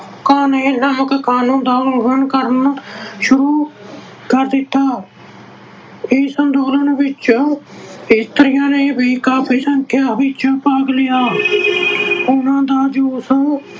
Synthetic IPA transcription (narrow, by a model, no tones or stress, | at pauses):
kaːneːnəməkkaːnũːnd̪aːʊbənkəɾənʃʊɾuː | kəɾd̪ɪt̪ːaː | ɪsənd̪oːlənʋɪt͡ʃ | ɪst̪əɾɪjãːneːbiːkaːpʰiːsəŋkʰjaːbɪt͡ʃpəːɡlɪjaː | ʊnãːd̪aːd͡ʒoːsõː